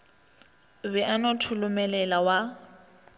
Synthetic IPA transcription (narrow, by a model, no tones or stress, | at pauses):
bɛʔanotʰʊlʊmɛlɛlawa